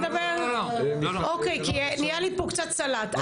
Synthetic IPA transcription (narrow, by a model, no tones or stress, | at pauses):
d̪ɐbeʁ | ʔokejkiɛnijalipokt͡sat̪salat̪